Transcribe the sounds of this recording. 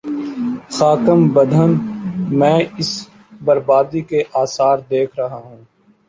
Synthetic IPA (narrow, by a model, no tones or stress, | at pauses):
xaːkəmbɐd̪ʱənmɛ̃ːɪs | bɐɾbaːd̪ikeʔaːsaːɾd̪eːkʰɾɐɦaɦũː